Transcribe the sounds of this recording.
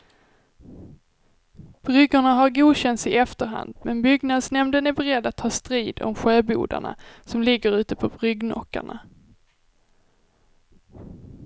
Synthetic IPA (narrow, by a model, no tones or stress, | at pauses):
b̥ɾʏɡəɳaɦaɾɡuːd̪ɕɛnt̪sɪʔɛft̪əɾɦa̰nd̪mɛnbʏɡnad̪snɛmd̪ənæɾbɛɾɛd̪ːat̪ʰhɑːst̪ɾiːd̪ɔ̰mɧøːbṵːd̪a̰ɳa̰sɔmlɪɡːəɾʉ̟ːt̪əpʰɔbɾʏɡnɔ̰kːa̰ɳa̰